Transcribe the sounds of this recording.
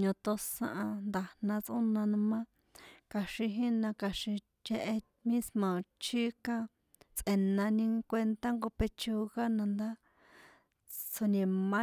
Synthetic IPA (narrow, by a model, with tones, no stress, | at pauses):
ɲõ˧t̪o˧sã˧ʔã˧nd̪a˨nã˧t͡sʔũ˦nã˧nũ˧mã˦ | ka˧ʃĩ˧ɦĩ˦nã˧ka˧ʃĩ˧ | t͡ʃe˧ʔe˧ | mĩ˦smõ˨t͡ʃi˦kã˦ | t͡sʔe˧nã˧nĩ˧kʷe˧nt̪a˦ŋɡo˧pe˧t͡ʃo˧ɣa˦nã˧nd̪a˦ | t͡sʰo˧nẽ˧mã˦